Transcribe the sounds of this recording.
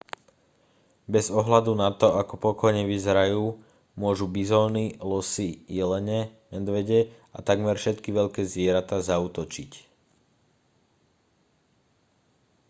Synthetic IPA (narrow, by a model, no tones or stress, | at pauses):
bɛzɔɦlad̪unat̪ɔakɔpɔkɔjɲɛʋizɛɾajuː | mʊɔʒubizɔːnilɔsijɛlɛɲɛmɛd̪ʋɛɟɛ | at̪aɡmɛɾfʃɛt̪kiʋɛʎkɛːzʋɪɛɾat̪aːzauːt̪ɔt͡ʃic